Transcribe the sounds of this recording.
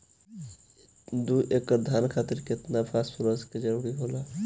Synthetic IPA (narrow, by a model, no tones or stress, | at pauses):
d̪uʔekːəɾd̪ʱaːnkʰaːt̪ɪɾkɪɪt̪napʰaːspʰʊɾasked͡ʒəɾuːɾiɦoːla